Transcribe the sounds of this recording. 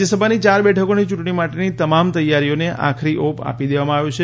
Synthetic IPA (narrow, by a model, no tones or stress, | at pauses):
esəbʱanit͡ʃaɾbɛʈʰəkonit͡ʃuʈɳ̃imaʈenit̪əmamt̪əjːaɾioneʔa̰kʰɾiʔopa̰pid̪eʋamãaʋjũt͡ʃʰe